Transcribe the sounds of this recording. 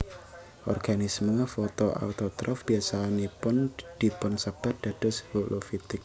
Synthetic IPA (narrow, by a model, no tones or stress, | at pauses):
ʔɔrɡ̥anisməfɔt̪ɔa̰ut̪ɔt̪ɾʔɔfb̥ijasanipʊnd̪̥i̤pʊnsab̥at̪̚d̪̥a̤d̥ɔ̤sholʔofit̪ɪk̚